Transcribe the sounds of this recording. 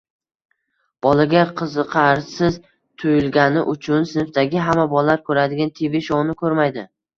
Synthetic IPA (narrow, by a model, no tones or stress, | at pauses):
b̥ɒlaɡʲaqʰɨzɨqʰɑɾsɪz | t̪ʰʊjɪlɡʲanɪʔʊt͡ʃʰʊnsɪnɪft̪aɡʲɪɦamːabɒlaɾkʰɵɾad̪ɪɡʲant̪ʰevɪʃɒʁnɪkʰɵɾmajd̪ɪ